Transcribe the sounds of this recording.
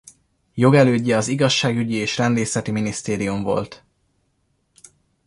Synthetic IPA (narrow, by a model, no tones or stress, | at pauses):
jo̞ɡɛløːɟːɛɒziɡɒʃːaːɡyɟieːʃrɛnleːsɛt̪iminist̪eːɾijuɱvo̞̰lt̪